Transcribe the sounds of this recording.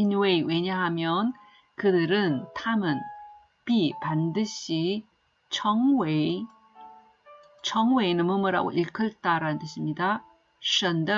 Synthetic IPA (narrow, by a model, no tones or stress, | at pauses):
inweiweɲaɦamjʌn | kɯdɯɾɯntʰamɯn | pipandɯɕʰi | t͡ɕʰʌŋwe | t͡ɕʰʌŋweinɯmɯmɯɾa̰ɡo̰ʔiɭkʰɯɭt͈aɾanɯntɯɕʰimɲida | ʌndɯ